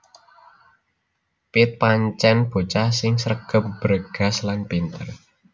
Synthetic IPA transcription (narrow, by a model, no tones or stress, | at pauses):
pɪt̪̚paɲt͡ʃɛnb̥o̤t͡ʃasɪŋsəɾəɡ̥ə̤p̚b̥əɾəɡ̥a̤slanpint̪ər